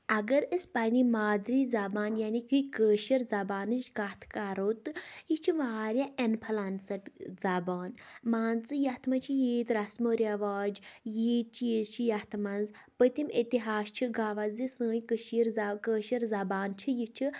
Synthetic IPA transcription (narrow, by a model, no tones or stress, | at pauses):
ɐɡɐɾəspɐnimaːd̪ɾiːzɐbaːnjaːnikɨkəːʃɐɾzɐbaːnɨt͡ʃkat̪ʰkaɾoːt̪ɨjit͡ʃʰiʋaːɾʲjaʔenpʰɐlansɐʈzabaːnmaːnt͡sɨjɐt̪ʰmɐt͡ʃʰijiːt̪ɾɐsmoːɾjaʋaːd͡ʒjiːt̪̚t͡ʃʰijizt͡ʃʰijɐt̪ʰmɐnz | pət̪imit̪iɦaːst͡ʃʰiɡaːʋazisə̃ːjkəʃiɾzkəːʃɐɾzɐbaːnt͡ʃʰijit͡ʃʰi